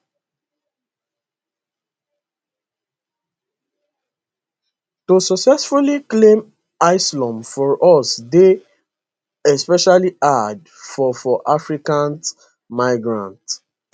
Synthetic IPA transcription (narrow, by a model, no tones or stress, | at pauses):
tosɔksɛsfuliklẽm | aɪslɔ̃mfɔɹʔɔsde | ɛspɛʃaliad | fɔfɔʔafɹikãn | maɪɡɹã̰nt